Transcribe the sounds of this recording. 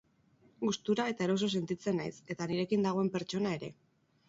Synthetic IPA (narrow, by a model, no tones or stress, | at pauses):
ɡust̪uɾae̞t̪aeɾo̞s̬o̞se̞nt̪it͡se̞najse̞t̪aniɾe̞kind̪aɣ̞o̞e̞mpe̞ɾt͡ʃo̞nae̞ɾe̞